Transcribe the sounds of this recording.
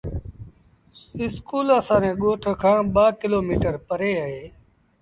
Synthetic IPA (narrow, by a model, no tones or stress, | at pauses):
ɪskuːləsãːnẽːɠoːʈʰkʰãːɓaːkɪloːmiːʈəɾpəɾeːəɦeː